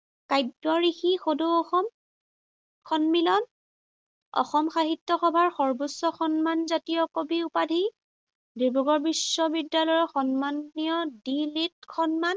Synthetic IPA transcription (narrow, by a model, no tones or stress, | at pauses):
kajdɔɹixixodoɔxɔm | kʰɔnmilɔn | ɔ̰xɔmxaɦitːɔxɔbʱaɹxɔɹbusːɔxɔnmanzatijɔkobiupadʱi | diɹbʱɔɡɔɹbisːɔbidːalɔjɔxɔnmanːijɔdilit̚xʰɔnman